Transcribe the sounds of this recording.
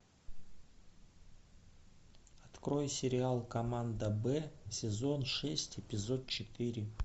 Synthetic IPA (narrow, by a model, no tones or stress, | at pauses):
ɐt̪kɾo̞jsʲɪɾʲɪalˠkɐmand̪əbɛsʲɪzo̞nʂɛsʲtʲɪpʲɪzo̞t̪̚t͡ɕɪt̪ɨɾʲɪ